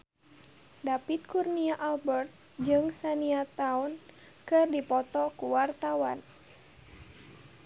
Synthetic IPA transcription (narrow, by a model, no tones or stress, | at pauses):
dapit̪̚kurniaʔalbɛrt̪̚ | d͡ʒɨŋsaniat̪aun | kɨrdipɔt̪ɔkuwart̪awan